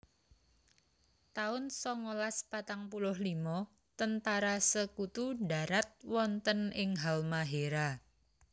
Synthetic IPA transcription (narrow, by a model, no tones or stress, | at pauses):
t̪aʊnsɔŋolaspat̪aŋpulʊhlimɔ | t̪ənt̪aɾasəkut̪uɖaɾat̪̚wɔnt̪ənɪŋɦalmaɦeɾa